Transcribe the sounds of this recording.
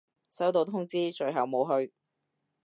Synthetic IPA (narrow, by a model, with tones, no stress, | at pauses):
sɐ˨˥wt̪o˨˧wt̪ʰʊ˥ŋt͡siː˥t͡ʃɵ˨˧ɥɦɐ˨wmo˨˧wɦɵ˧ɥ